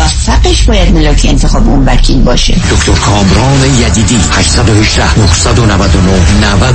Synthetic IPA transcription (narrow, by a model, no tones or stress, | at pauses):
væfːæqeʃbɒːjæd̪melɒːkʰeent̪ʰexɒːbeunvækʰiːlbɒːʃḛd̪okt̪ʰoɾkʰɒːmɾɒːnejæd̪iːd̪iːhæʃsæd̪oheʒd̪æhnohsæd̪onævæd̪onohnævæ